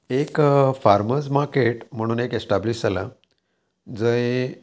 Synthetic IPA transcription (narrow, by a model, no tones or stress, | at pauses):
ekfaɾməsmaɾkeʈm̤əɽ̃uːnekesʈabliɕala | d͡zəj